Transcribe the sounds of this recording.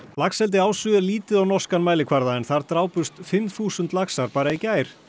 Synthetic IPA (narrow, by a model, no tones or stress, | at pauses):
laksɛlt̪̬ɪaːwsʏɾliːt̪ɪðawnɔskanmaːjlɪkʰvaɾðaɛnθaɾt̪ɾaːwpʏst̪fɪmθuːsʏnt̪laksaɾpaːɾaicaːjɾ̥